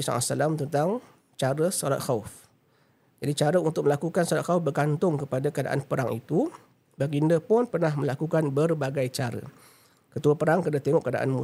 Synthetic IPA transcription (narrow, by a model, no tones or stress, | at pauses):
sa̰a̰salamt̪ənt̪aŋ | t͡ʃaɾəsɔ̰la̰t̪̚xauf | d͡ʒadit͡ʃaɾəunt̪ʊk̚mə̃lakukansɔlat̪̚xaufbərkant̪ʊŋkəpadakəada̰ʔa̰npəɾaŋḭt̪u | baɡindəpɔnpərnahmə̃lakukanbərbaɡajt͡ʃaɾə̰ | kət̪uapəɾaŋkədat̪eŋɔʔkəada̰ʔa̰nmu